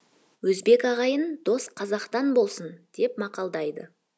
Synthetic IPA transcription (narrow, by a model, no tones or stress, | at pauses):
wɵzbe̞kɑʁɑjənd̪̥o̞sqʰɑzɑqt̪ɑnbo̞lˠsənd̪̥e̞p̚mɑqɑlˠd̪ɑjd̪ə